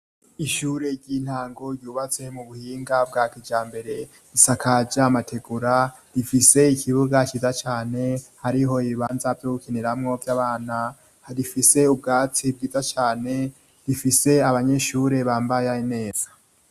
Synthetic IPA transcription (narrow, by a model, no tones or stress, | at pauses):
iʃuːɾe̞ɾɟin̥haːŋɡo̞ɾjuːβat͡se̞muβuhiːŋɡabɡaːkid͡ʒaːmbe̞ɾe̞ | ɾisakʰad͡ʒamatʰe̞ɡuɾaɾifise̞ikʰiβuɡat͡ʃiːzat͡ʃaːne̞haɾiɦo̞iβiβaːnzavjoɡukeneɾamŋo̞vjaːβaːna | ɾifise̞ub̚ɡaːt͡sib̚ɡiːzat͡ʃaːne̞ | ɾifise̞aβaɲe̞ʃuːɾe̞βaːmbajaine̞ːz̥ḁ